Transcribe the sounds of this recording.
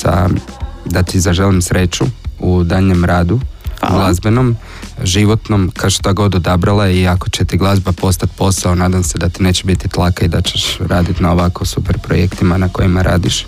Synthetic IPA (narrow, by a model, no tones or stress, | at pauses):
sa̰d̪at̪izaʒe̞limsɾe̞t͡ʃuud̪aʎɲe̞mɾaːd̪uɡlˠazbe̞no̞m | ʒiʋo̞t̪no̞mkaoʃt̪aɡo̞d̪od̪abɾalˠaiako̞t͡ɕet̪iɡlˠazbapo̞st̪at̪̚po̞sao̞naːd̪amse̞d̪at̪ine̞ːt͡ɕebit̪it̪lˠakaid̪at͡ɕe̞ʃɾaːd̪it̪nao̞ʋakosupeɾpɾojekt̪imanako̞jimaɾʔa̰ːd̪iʃ